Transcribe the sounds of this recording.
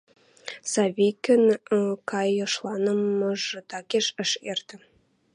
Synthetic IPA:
sɑvʲikʲɘ̆nkɑjɤ̆ʃlˠɑnɤ̆mɤʒɤ̆t̪ɑkʲeʃə̆ʃert̪ɘ̆

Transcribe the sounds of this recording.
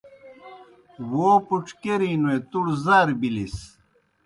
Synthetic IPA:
woːpuʈ͡ʂkeɾinuet̪uɽzaːɾbilis

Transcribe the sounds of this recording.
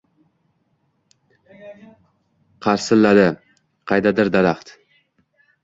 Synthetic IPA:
qʰɑɾsɪlːad̪ɪ | qʰɑjd̪ad̪ɪɾd̪alaχt̪

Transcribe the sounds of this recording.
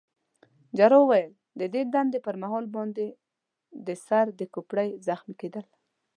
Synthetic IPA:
d͡ʒaɾowajəl | d̪əd̪ed̪and̪epəɾmaɦɔlbɑnd̪e | d̪əsaɾd̪əkupɽajzaxmiked̪əl

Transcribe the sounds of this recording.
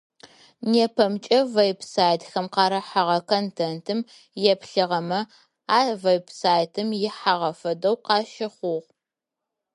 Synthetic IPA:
neːpʰɐmt͡ʃʼɐvejbsaːjtxɐmqɑːɾɐħaʁɐkʰontʰentʰɨm | jɛpɬɨʁɐmɐ | aːvejbsaːjtʰɨmjɪħaʁɐfɐdɐwqɑːʃɪχʷʊʁ

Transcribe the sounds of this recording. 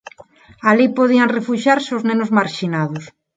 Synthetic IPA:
alipoðiaŋrefuʃaɾsoznenʊzmaɾʃinaðʊs

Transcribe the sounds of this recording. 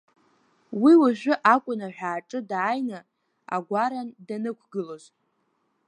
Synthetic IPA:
wiwaʒᶣʷʊʔakʷʼʊnaħᶣaːʈ͡ʂʼɨdaːjna | a̰ɡʷaɾandanɨkʷʰɡɨloz

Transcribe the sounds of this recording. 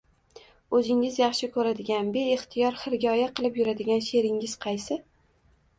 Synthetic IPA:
ɵzɪŋɪzjɑχʃɪkʰɵɾad̪ɪɡʲanbeeχt̪ʰɪjɒɾχɪɾɡʲɒjaqʰɨlˠɪpjʊɾad̪ɪɡʲanʃe̞ɾɪŋɪz̥qʰɑjsɪ

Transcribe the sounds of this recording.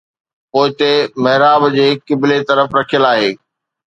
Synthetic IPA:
poːɪt̪emɐɦɪɾaːbd͡ʑeːkːɪblet̪ɐɾəfɾɐkʰijəlaːɦeː

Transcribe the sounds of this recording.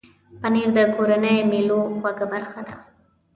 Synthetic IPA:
paneɾd̪əkoɾanəjmiloxwaɡabaɾxad̪a

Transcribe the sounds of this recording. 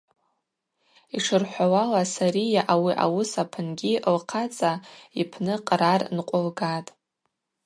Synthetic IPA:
iʂɨrħʷawalasaɾijaʔawiʔa̰wʊsapʰɨnɡʲiʔlqʰat͡sʼaipʰnɨqʼrarnqʷʼʊlɡatʼ

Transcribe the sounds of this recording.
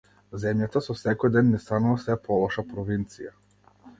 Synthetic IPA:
zɛmjat̪asɔsɛkɔjd̪ɛnːɛst̪anuvasɛpɔlˠɔʃapɾɔvint̪sija

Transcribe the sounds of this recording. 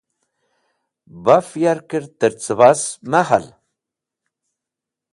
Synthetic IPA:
bafjaɾkəɾt̪əɾt͡səβasmaha̰l

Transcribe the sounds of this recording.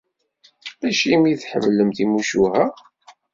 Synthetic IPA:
ðæʃimiθħə̰vləmθimuʃuhæ

